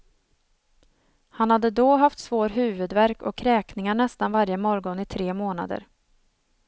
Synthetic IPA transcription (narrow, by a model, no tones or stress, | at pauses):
hanhad̪ːəd̪oɦaft̪svoːɾɦʉ̟ːvɵd̪væɾkɔ̰kʰːɾɛːknɪŋaɳɛst̪anvaɾjəmɔɾɡɔnɪt̪ʰɾeːmoːna̰d̪ə̰ɾ